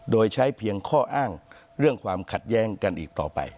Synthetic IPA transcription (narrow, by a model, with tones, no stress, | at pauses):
doː˧jt͡ɕʰa˦˥jpʰi˧əŋkʰɔː˥˩ʔaː˥˩ŋ | ɾɯ˥˩əŋkʰwaː˧mkʰa˨˩t̪̚jɛː˦˥ŋka˧nʔḭː˨˩k̚t̪ɔː˨˩pa̰˧j